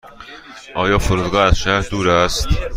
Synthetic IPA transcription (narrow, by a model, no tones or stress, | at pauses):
ʔɒːjɒːfoɾuːd̪ɡɒːæz̥ʃæɾd̪uːɾæst̪